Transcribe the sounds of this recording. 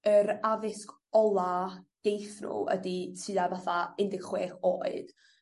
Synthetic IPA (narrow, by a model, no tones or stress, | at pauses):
əɾavɪsk | ɔlˠad̥ejθnṵə̰ditʰɨavaθaɪndɪɡ̥χweːχoːɨd̥